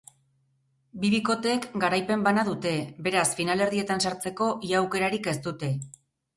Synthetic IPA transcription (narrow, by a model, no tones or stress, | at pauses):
biβiko̞t̪e̞ːkɡaɾajpe̞mbanaðut̪e̞be̞ɾasfinale̞ɾðie̞t̪ansaɾt͡se̞ko̞ʔiawke̞ɾaɾike̞st̪ut̪e̞